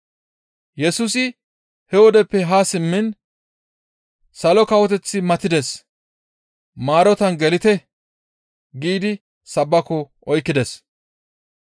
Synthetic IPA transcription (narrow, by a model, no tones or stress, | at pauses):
jɛsuːsɪ | hɛwɔd̪ɛpːɛɦaːsɪmːɪn | sɐlɔkɐwɔt̪ɛt͡sːɪmɐt̪ɪd̪ɛs | maːɾɔt̪ɐnɡɛlɪt̪ɛ | ɡiːd̪ɪ | sɐbːɐkɔ | ɔjkːɪd̪ɛs